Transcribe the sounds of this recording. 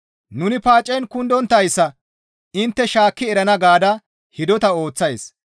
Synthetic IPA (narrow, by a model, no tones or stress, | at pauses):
nʊnɪpaːt͡ʃʼːɛnkʊnd̪ɔnt̪ːɐjsːɐ | ɪnt̪ːɛʃaːkːɪɛɾɐnɐɡaːd̪ɐ | hɪd̪ɔt̪ɐo̞ːt͡sːɐjs